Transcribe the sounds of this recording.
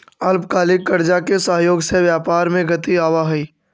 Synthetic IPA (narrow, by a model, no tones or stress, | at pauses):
ɐlpkaːlɪkːɐɾd͡ʒakesəɦjoːɡseʋjaːpaːɾmẽɡɐt̪iaːʋaɦʊiː